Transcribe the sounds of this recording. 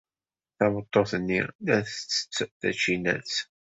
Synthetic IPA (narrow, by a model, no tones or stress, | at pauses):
θæmət̪ˤːoθənːilæθət͡sːə̥t͡sːθæ̰t͡ʃːinæ̰t͡s